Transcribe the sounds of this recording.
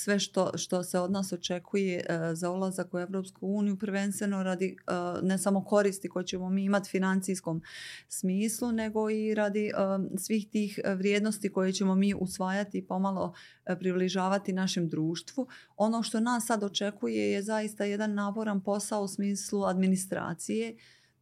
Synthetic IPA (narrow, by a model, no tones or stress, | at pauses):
sʋe̞ʃt̪o̞ʃt̪o̞se̞o̞d̪naːso̞t͡ʃe̞kʰuje̞zaulˠazakue̞ʋɾo̞ːpskuuːnijupɾʋe̞nst̪ʋe̞no̞ɾad̪ine̞samo̞ko̞ɾiːst̪iko̞jet͡ɕe̞mo̞miːimat̪i̥finant̪siːsko̞ːmsmiːslune̞ɡo̞iɾad̪isʋiːxt̪iːxʋɾjeːd̪no̞st̪iko̞jet͡ɕe̞mo̞miːʔusʋaːjat̪iːpo̞malo̞̰ | pɾibliʒaːʋat̪inaʃe̞md̪ɾuːʃt̪ʋu | o̞no̞ʃt̪o̞naːsːad̪o̞t͡ʃe̞kuje̞je̞zajist̪aje̞d̪anːaːpo̞ɾanpo̞saousmiːsluad̪minist̪ɾa̰ːt̪sije̞